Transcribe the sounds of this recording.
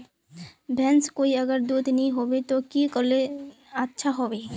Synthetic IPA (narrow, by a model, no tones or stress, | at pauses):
bɛ̃nskoːiɐɡəɾd̪uːd̪nɐɦĩɦobet̪okikole | atːʃʰaɦoːbe